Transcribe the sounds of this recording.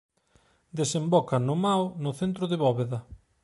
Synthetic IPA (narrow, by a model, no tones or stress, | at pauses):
d̪esembɔkɐnʊmawnʊθent̪ɾʊðɪβɔβeðɐ